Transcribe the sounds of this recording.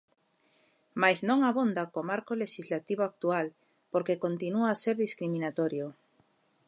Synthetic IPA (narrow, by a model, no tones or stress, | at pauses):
majznõŋaβond̪akomaɾkoleʃizlat̪iβ̞oak̚t̪ual | poɾkekont̪inuaːseɾðiskɾimĩnat̪oɾjo